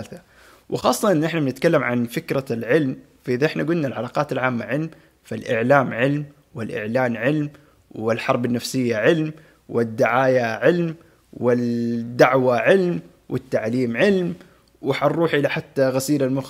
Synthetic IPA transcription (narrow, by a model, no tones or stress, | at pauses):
alθa | wʔɪxɑːsˤːɑʔɪnːʔɪħnabnɪt̪kalːamʕa̰nfɪkɾalʕɪlm | faʔɪðaʔɪħnaɡʊlnalʕalɑːqɑːt̪alʕaːmːaʕɪlm | falʔɪʕlaːmʕɪlm | wɪlʔɪ̰ʕlaːnʕɪlm | wɪlħɑɾˤbanːafsɪjːaʕɪlm | wɪd̪ːɪʕaːjaʕɪlm | wɪd̪ːaʕwaʕɪlm | wʔɪt̪ːaʕliːmʕɪlm | wɪħanrˤɾuːħʔɪlaħat̪ːaɣasiːlalmʊx